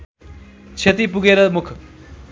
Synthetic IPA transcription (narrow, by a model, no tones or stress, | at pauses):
t͡ʃʰet̪ipuɡeːɾəmʊkʰ